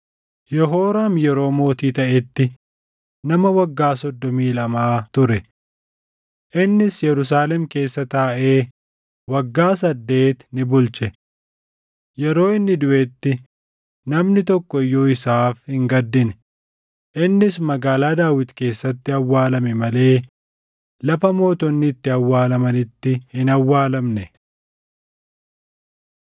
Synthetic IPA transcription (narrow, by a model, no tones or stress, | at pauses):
jɔɦo̞ːɾaːmjɛɾo̞ːmo̞ːt̪iːt̪ɐʔɛt̪ːɪ | nɐmɐwɐɡːaːsɔd̪ːɔmiːlɐmaːt̪ʊɾɛ | ʔɪnːɪsjɛɾʊs̬aːlɛmke̞ːsːɐt̪aːʔe̞ː | wɐɡːaːsɐd̪ːe̞ːt̪nɪbʊlt͡ʃɛ | jɛɾo̞ːɪnːɪd̪ʊʔɛt̪ːɪ | nɐmnɪt̪ɔkːɔɪjːoːɪsaːfhɪŋɡɐd̪ːɪnɛ̥ | ʔɪnːɪsmɐɡaːlaːd̪aːwɪt̪ke̞ːsːɐt̪ːɪɐwːaːlɐmɛmɐle̞ː | lɐfɐmo̞ːt̪ɔnːɪːt̪ːɪɐwːaːlɐmɐnɪt̪ːɪhɪnɐwːaːlɐmnɛ